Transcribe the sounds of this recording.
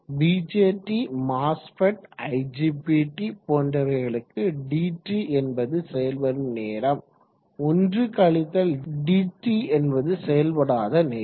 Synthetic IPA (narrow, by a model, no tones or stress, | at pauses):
biːd͡ʒeːʈːimaːsfɐʈɐɪd͡ʒiːbiːʈːipoːndrɐɾɐɪɣɐɭɯkːɯɖiːʈːiɛnbɐðɯsɛjɐlpɐɾɯmneːɾɐm | ɔndrɯkɐɭɪt̪ːɐlɖiːʈːiɛnbɐðɯsɛjɐlpɐɽaːðɐneː